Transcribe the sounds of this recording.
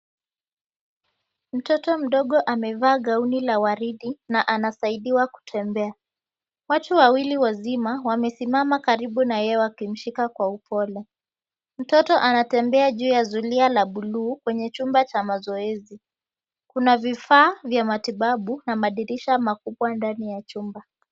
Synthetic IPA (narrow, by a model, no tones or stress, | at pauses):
m̩tɔtɔm̩ɗɔɠɔʔamɛvaːɠaunilawaɾiɗinaʔanasaiɗiwaku̥tʰɛmbɛa | watuwawiliwazimawamɛsimamakaɾiɓunajɛɔwakim̩ʃikakwaupʰɔlɛ | m̩tɔtɔʔanatɛmbɛaʄuːjazulialaɓuluːkwɛɲɛt͡ʃumbat͡ʃamazɔɛzi | kunavifaːvjamatiɓaɓunamaɗiɾiʃamakuɓwandanijat͡ʃumba